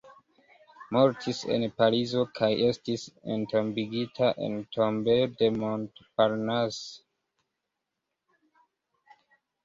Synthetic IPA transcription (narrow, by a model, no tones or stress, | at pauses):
mo̞ɾtʰise̞̰npaɾizo̞kʰaje̞stisḛnto̞mbiɡitʰaʔḛntʰombede̞montpaɾnas